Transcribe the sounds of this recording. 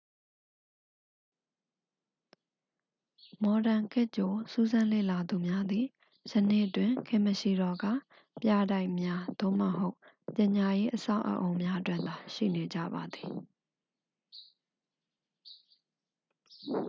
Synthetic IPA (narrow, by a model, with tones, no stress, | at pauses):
mɔ˨dã˨ŋkʰɪ˦ʔt͡ɕo˨su˦zã˦lḛ˦˨la˨d̪u˨mja˦d̪i˨ | sə˨nḛ˦˨ʔtwɪ̃˨kʰɪ̰̃˦˨məʃi˨ɾɔ˨ɡä̰˦˨ | pja˦˨da˦ɪʔmja˦d̪̥o̰˦˨məɦo˦ʊ | pjɪ̃˨ɲa˨je˦ʔəsa̰˦˨ʊʔə̰˨ʔõ˨ʊ̃mja˦ʔətwɪ̰̃˦˨nd̪a˨ʃḭ˦˨ne˨d͡ʑä̰˦˨ba˨d̪i˨